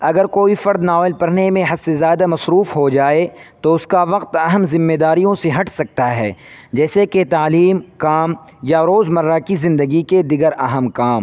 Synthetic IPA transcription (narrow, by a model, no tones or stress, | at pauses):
ɐɡəɾkoːifɐɾd̪naɔːɪlpɐɾnemẽɦɐsezjaːd̪amɐsɾuːfɦod͡ʒaːet̪oʊskaʋɐqt̪ɐɦəmzɪmːed̪aːɾijõseɦɐʈʰsɐk̚t̪aɦɛːd͡ʒɛːseket̪aːliːmkaːmjaɾoːzmɐɾːakizɪ̃nd̪əɡiked̪ɪɡəɾɐɦəmkaːm